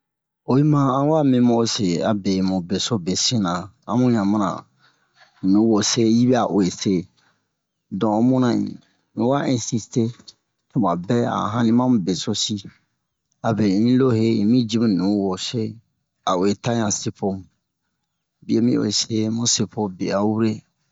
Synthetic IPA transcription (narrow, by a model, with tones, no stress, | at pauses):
o˨i˦mã˦ã˦wa˦˨mĩ˦mõ˦se˨a˨be˨mũ˨be˨so˦be˨si˦nã˨ | ã̰˦mũ˦ɲ˨ã˨mã˦ã̰˨ | nũ˨˦wo˨se˦ji˦bɛ˦a˨ʔo˨e˨se˦˨ | dɔ̃˨˦mũ˦nã˨ɲḭ̃˨ | mĩ˨˦wa˦ʔĩ˨si˨ste˦ | tu˨mã˨bɛ˦a̰˨ɦã˦nĩ˦mã˦mũ˨be˨so˦si˦ | a˨be˨ĩ˦lo˦ɦe˦ĩ˨mĩ˦d͡ʒi˦mũ˦nũ˨˦wo˨se˦ | a˨o˨e˨ta˦ɲã˨se˦po˦mũ˨ | bi˦e˨˦mĩ˦o̰˨e˨se˦mũ˦se˨pʰo˦be˨a˨˦wu˦ɾe˦